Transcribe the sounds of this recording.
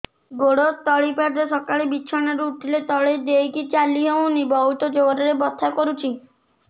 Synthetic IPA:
ɡoɽot̪ɔɭipaɾd̪esɔkaɭebiːt͡ʃʰɔnaɾuːt̪ʰilet̪ɔɭed̪ejkit͡ʃaliɦew̃nibɔɦut̪ɔd͡ʒoɔɾɔɾebɔt̪ʰːakɔɾut͡ʃʰi

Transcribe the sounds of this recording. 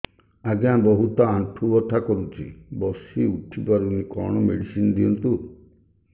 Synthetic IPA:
aɡãbɔɦut̪ɔanʈʰubɔt̪ʰakɔɾut͡ʃʰḭbɔsiuʈʰipaɾunikɔ̰ɽ̃ɔmḛɽisinɔd̪iɔnt̪u

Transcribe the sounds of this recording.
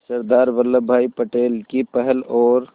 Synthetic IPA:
səɾd̪aːɾbəlːəbʱaːipəʈeːlkipɛɦɛlɔːɾ

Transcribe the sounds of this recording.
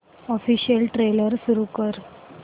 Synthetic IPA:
ɔfiːɕiəlʈɾeləɾsuɾukəɾ

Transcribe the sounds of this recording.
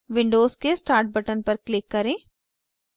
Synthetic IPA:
ʋɪ̃ɳɖoːzkesʈaːɾʈ̚bɐʈənpɐɾklɪkːɐɾẽː

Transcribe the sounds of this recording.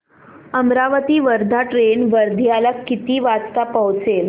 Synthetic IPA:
əmɾaʋət̪iːʋəɾd̪ʱaʈɾenʋəɾd̪ʱjalakːit̪iːʋat͡st̪apəwt͡sel

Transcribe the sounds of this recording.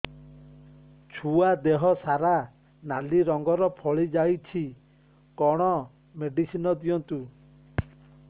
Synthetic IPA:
t͡ʃʰuad̪eɦɔsaɾa | naliɾɔŋɡɔɾɔpʰɔɭid͡ʒajt͡ʃʰi | kɔɽ̃ɔ | meɖisinɔd̪ijɔnt̪u

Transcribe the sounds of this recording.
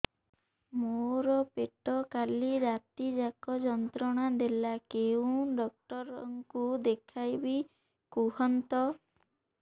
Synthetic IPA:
moɾɔpeʈɔkaliɾat̪id͡ʒakɔd͡ʒɔnt̪ɾɔɽ̃ad̪elakew̃ɖɔk̚ʈɔɾɔŋkud̪ekʰajbi | kuɦɔnt̪ɔ

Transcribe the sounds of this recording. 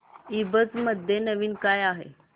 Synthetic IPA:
ibət͡sməd̪ʱjenəʋiːnkajaɦḛ

